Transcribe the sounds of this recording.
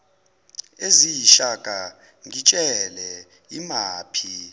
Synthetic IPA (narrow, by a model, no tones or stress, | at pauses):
ezijiʃaɡ̥ʱʼa | ŋit͡ʃʼɛlɛ | imaːpʰi